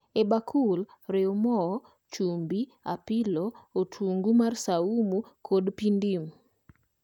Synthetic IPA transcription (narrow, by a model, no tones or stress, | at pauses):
ebakʰul | ɾɪmɔɔ | t͡ʃumbia̰pɪlɔotʰuŋɡumarsaumukʰodpindim